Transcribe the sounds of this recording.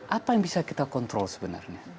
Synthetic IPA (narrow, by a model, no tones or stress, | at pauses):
ʔapanbisakit̪akɔnt̪ɾolsbəna̰rni